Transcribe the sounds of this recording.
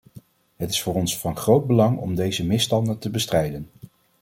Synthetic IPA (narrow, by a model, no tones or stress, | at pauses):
ɦətɪ̥sfʊːrɔnsfɑnχrowd̚bəlɑŋɔ̰mdejzəmɪstɑndətəbəstrɛjdən